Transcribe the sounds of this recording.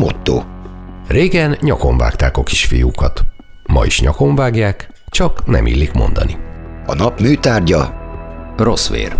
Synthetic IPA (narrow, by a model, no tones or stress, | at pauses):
mo̞t̪ːo̰ːreːɡɛnɲɒko̞ɱva̰ːkt̪aːkoki̥ʃfijukɒt̪ | mɒiʃɲɒko̞ɱvaːɡjaːk | t͡ʃɒknɛ̰mʔḭlːikmo̞̰nd̪ɒ̰niɒnɒpmyːt̪aːrɟɒ | rosʋḛːr